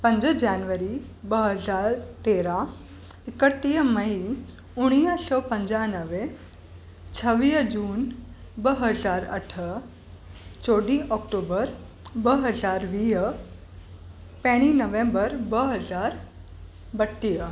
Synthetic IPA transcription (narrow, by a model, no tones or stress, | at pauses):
pə̃ɲd͡ʑəd͡ʑanʋəɾi | bəɦəd͡zaɾt̪eɾa | ikəʈːijəməi | uɽ̃ijəsɔpəɲd͡ʑanəʋe | t͡sʰəʋiəd͡ʑuːnbəɦəd͡zaɾə̰ʈʰə | t͡soɽiʔɔk̚ʈobəɾ | bəɦəd͡zaɾʋiɦə | pɛɽ̃inəʋẽmbəɾbəɦəd͡zaɾ | bəʈːijə